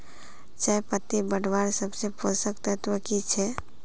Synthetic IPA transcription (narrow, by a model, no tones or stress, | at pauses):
t͡ʃaipət̪ːibəɽʋaɾsəbseposəkt̪ət̪wəkit͡ʃʰɛ